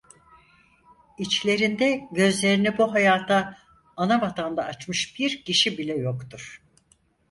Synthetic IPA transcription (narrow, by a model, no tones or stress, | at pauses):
it͡ʃlʲe̞ɾind̪ɛɟø̞zlʲe̞ɾinibuɦajaːt̪ʰaː | nabat̪ʰand̪aːt͡ʃmɯʃb̥iɾciʃibilʲɛjo̞kt̪uɾ̥